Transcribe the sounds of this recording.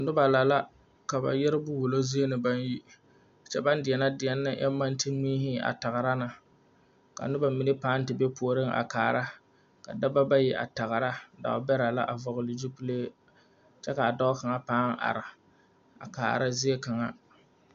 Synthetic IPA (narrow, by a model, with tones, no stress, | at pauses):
nʊ˦ba˨la˨la˦ | ka˨ba̰˨jɛ˦ɾɪ˦bʊ˦wʊ˨lo˦zi˦e˦nɨ˨ba˦nji˦˨ | t͡ʃɛ˦ba˦ndɪ˨ɛ˨na˦dɪ˨ɛ˦nːɨ̰˦ʔɛ̰˦mːa˦n˦tɨ˦ŋ͡miː˦ɦɪ˦a̰˨ta˨ɣɾa˦na˨ | ka̰˨nʊ˦ba˨mi˨nɨ˦paː˦n˦tɨ˨be˦pu˨o˨˦ɾɨ˦ŋʔa̰˨kaː˨ɾa˦ | ka̰˨da˦ba˦ba˦ji˦ʔa̰˨ta˨ɣɾa˦da̰˨˦bɛ˦ɾa˨la̰˦ʔa˨vʊ˨ɣʊ˨li˨d͡ʒi˦pu˦leː˦ | t͡ʃɛ˦ka˨a˨da˦ka˨ŋa˦paː˦ŋ˦ʔa̰˨ɾɪ˨ | a̰˨ka̰ː˨ɾa˦zɪ˦e˦ka˨ŋa˦